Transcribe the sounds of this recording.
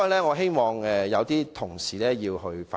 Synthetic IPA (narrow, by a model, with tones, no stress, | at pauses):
lɛː˥ŋɔː˨˧ɦe˥jmɔː˨˧ŋɛ˨jɐ˨˧wt̪iː˥t̪ʰʊ˨˩ŋsiː˨˩lɛː˥jiː˧wɦɵ˧ɥfa